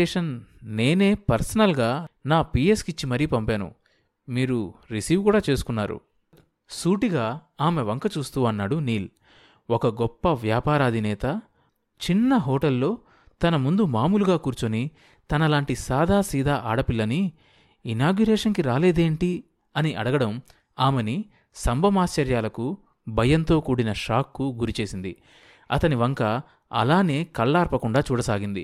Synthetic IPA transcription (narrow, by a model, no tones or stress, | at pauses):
ɛːʂɐnne̞ːne̞ːpɐɾsɐnɐlɡaːnaːpieskit͡ʃːimɐɾijpɐmpeːnṵ | miːɾuɾisiːʋkuːɽaːt͡ʃe̞ːsu̥kunːaːɾṵ | suːʈiɡaːaːme̞ʋɐŋkɐt͡ʃuːst̪uːɐnːaːɽuniːl | ɔkɐɡɔpːɐʋjaːpaːɾɐːd̪ʱinɛːt̪ɐ | t͡ʃinːɐɦɔːʈɐlːo̞ː | t̪ɐnɐmund̪umaːmuluɡaːkuːɾt͡ʃoni | t̪ɐnɐlaːɳʈisaːd̪ʱaːsiːd̪ʱaːʔaːɽɐpilːɐni | inaːɡjuɾɛːʂɐnkiɾaːle̞ːd̪eːɳʈi | ɐniʔɐɽɐɡɐɽɐm | aːmeni | sɐmbʱɐmaːst͡ʃɐɾjaːlɐku | bʱɐjɐnt̪o̞ːkuːɽinɐʂaːkːuɡuɾit͡ʃe̞ːsind̪i | ɐ̰t̪ɐniʋɐŋkɐ | ɐ̰laːne̞ːkɐɭːaːɾpɐkuɳɖaːt͡ʃuːɽɐsaːɡind̪i